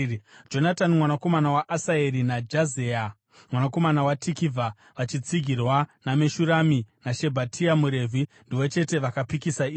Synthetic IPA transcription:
d͡ʒo̞natanimwanako̞manawaʔasaeɾinad͡ʒazea | mwanako̞manawatikivʱa | ʋat͡ʃit͡siɡʱirwanameʃuɾaminaʃe̞bʱatʰiamuɾe̞vʱindiʋo̞t͡ʃe̞te̞ʋakapikisaiː

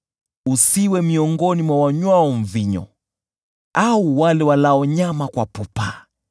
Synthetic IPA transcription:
usiwɛmiɔŋɡɔnimwawaɲwaɔɱ̩viɲɔ̰ | auwalɛwalaɔɲamakwa̰pupa

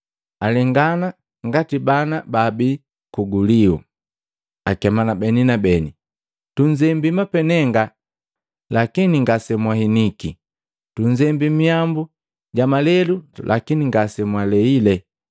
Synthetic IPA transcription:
alɛŋɡana | ŋɡatibanababi | kuɡuliṵ | akɛmanabɛninabɛni | tuɲd͡ʒɛmbimapɛnɛŋɡa | lakiniŋɡasɛmwahiniki | tuɲd͡ʒɛmbimiambu | ɟamalɛlulʔa̰kiniŋɡasɛmwalɛilɛ

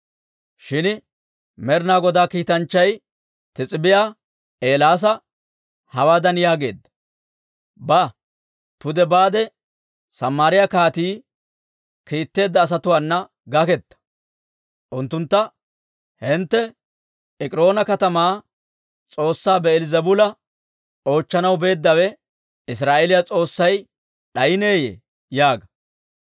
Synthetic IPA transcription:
ʃɪn | mɛɾnaːɡɔd̪aːkiːt̪ɐnt͡ʃːɐj | t̪ɪt͡sʼɪbɪjaː | ʔe̞ːlaːs̬ɐ | hɐwaːd̪ɐnjaːɡe̞̰ːd̪ːɐ̥ | ba | pʊd̪ɛbaːd̪ɛ | sɐmːaːɾɪjakaːt̪iː | kiːt̪ːe̞ːd̪ːɐːs̬ɐt̪ʊwaːnːɐ | ɡɐkɛt̪ːɐ̥ | ʔʊnt̪ːʊnt̪ːɐ | hɪnt̪ːɛ | ɛkʼɾo̞ːnɐkɐt̪ɐmaː | t͡sʼo̞ːsːaːbɛɛlɪzɐbʊlɐ | o̞ːt͡ʃːɐnɐwbe̞ːd̪ːɐwɛ | ɪs̬ɾaːʔelɪjat͡sʼo̞ːsːɐj | ɗɐjɪne̞ːjḛ | jaːɡɐ

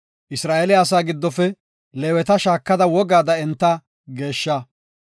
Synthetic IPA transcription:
ʔɪsɾaːʔɛlɪaːs̬aːɡɪd̪ːɔfɛ | leːwɛt̪ɐʃaːkːɐd̪ɐwɔɡaːd̪ɐɛnt̪ːɐ | ɡe̞ːʃːɐ

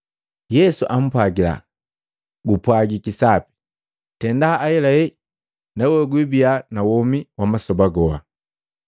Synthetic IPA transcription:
jɛsuʔam̩paɡila̰ | ɡupwaɡikisapi̥ | tɛndaːɛlaɛ | nɛwɛɡwibianawɔmiwamasɔbaɡɔwa

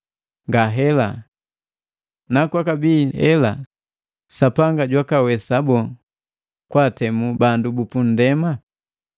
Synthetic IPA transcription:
ŋɡaɦɛla | nakwakabihɛla̰ | sapaŋɡaɟwakawɛsabɔ | kwatɛmubandubupun̩dɛma

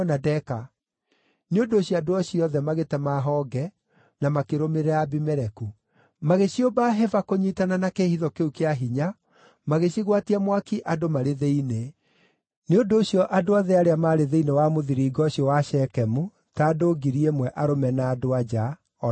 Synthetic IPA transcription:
nadɛka | neondoːɕiadoaɕiɔðɛmaɣetɛmaɦɔːɡɛ | namakeɾomeɾɛabimɛɾɛku | maɣeɕjobaɦɛvakoɲitananakehiðɔkeukeaɦiɲa | maɣeɕiɣwatiamwakiʔadomaɾeðeine | neondoːɕjɔʔadoaðɛaɾeamaːɾeðeinewamoðiɾiːɡɔɕjɔwaɕɛkɛmu | tadoɡiɾiemwɛʔaɾomɛnaːdoad͡ʒa | ɔ

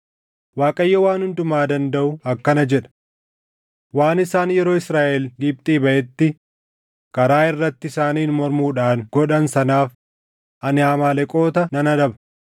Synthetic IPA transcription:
waːkʼɐjːɐwaːnhʊnd̪ʊmaːd̪ɐnd̪ɐʔʊɐkːɐnɐd͡ʒɛᶑɐ̥ | waːnɪsaːnjɛɾo̞ːɪsɾaːʔɛlɡɪb̚t̪ʼiːbɐʔɛt̪ːɪ | kɐɾaːɪrːɐt̪ːɪsaːniːnmɔɾmuːᶑaːnɡ̥ɔᶑɐnsɐnaːf | ʔɐnɪaːmaːlɛkʼo̞ːt̪ɐnɐnɐᶑɐbɐ

